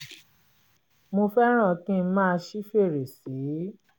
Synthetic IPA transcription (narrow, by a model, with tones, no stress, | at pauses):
mo˧fɛ˦ɾ̃ã˦˨kĩ˦mãː˦˧ʃi˦fe˦˨ɾe˨si˨˦